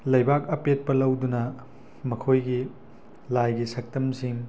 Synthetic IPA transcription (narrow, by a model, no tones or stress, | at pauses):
lɐjbak̚ɐpet̚pɐlɐwdunɐ | mɐkʰojɡi | lajɡisɐk̚tɐmsiŋ